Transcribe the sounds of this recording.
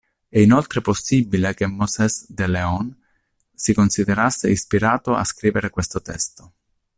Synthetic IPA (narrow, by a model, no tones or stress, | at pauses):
ɛinolt̪ɾeposːibilekemːɔsɛsd̪eleɔn | sikonsid̪eɾasːeispiɾaːt̪oa̰skɾiːveɾekwest̪ot̪ɛst̪o